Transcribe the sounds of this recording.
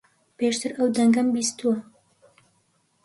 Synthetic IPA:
peʃt̪ɨɾʔɐwd̪ɐŋɡɐmbiːst̪uwɐ

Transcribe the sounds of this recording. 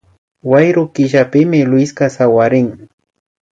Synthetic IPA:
wajɾʊkɪʒapɪmɪlʊɪskasawaɾɪŋ

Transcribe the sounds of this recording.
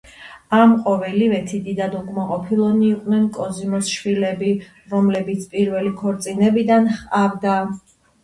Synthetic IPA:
amqʼɔvɛlivɛt̪ʰid̪id̪ad̪ɔɡmaqʼɔpʰilˠɔd̪niːqʼnɛnkʼɔzimɔsʃwilɛbi | ɾɔmlɛbit̪sʰpʼiɾvɛlikʰɔɾt̪sʼinɛbid̪anχʼavd̪a

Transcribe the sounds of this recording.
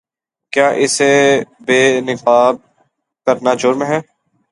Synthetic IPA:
kjaːʔɪsebeːnɪfaːb̚ | kəɾnad͡ʒʊːɾmẽɦɛː

